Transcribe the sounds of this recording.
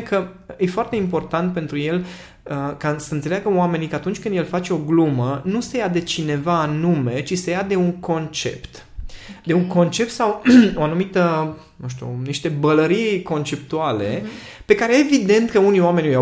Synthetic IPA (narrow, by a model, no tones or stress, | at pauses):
kəjefoart̪e̞impo̞rt̪ant̪̚pe̞nt̪ɾuje̞l | əkasəɨnse̞leaɡəoame̞nikəat̪unt͡ʃʲkɨnd̪je̞lfat͡ʃe̞o̞ɡlumənuse̞jad̪e̞t͡ʃine̞vaːnume̞t͡ʃisejad̪e̞uŋko̞nt͡ʃe̞̰pt̪ | d̪e̞uŋko̞nt͡ʃe̞p̚t̪sawoanumit̪ə | nũʃt̪ṵniʃt̪e̞bələɾiko̞nt͡ʃe̞p̚t̪uale̞ | pe̞kaɾe̞eevid̪e̞nt̪kəunioame̞njja